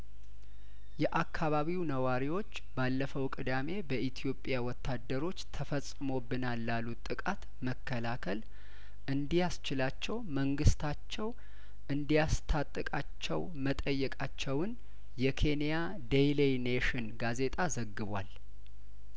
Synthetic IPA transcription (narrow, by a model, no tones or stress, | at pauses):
jɛʔakʰːaβaβiwnəwaɾiwo̞t͡ʃːbalːəfəwkʼɨd̪ame̞bəʔit̪ʰijo̞pʼjawɔt̪ʰːad̪ːəɾo̞t͡ʃːt̪ʰəfəsʼɨmo̞bːɨnalːalːut̪ʼɨkʼat̪ | məkʰːəlakʰəl | ʔɨnd̪ijast͡ʃɪlat͡ʃːɛwməŋɡɨst̪ʰat͡ʃːɛw | ʔɨnd̪ijast̪ʰat̪ʼːɨkʼat͡ʃːɛw | mət̪ʼəjːɛkʼat͡ʃːɛwɨn | jɛkʰe̞nija | d̪ejlejneʃɪnɡaze̞t̪ʼazəɡːɨβwa̰l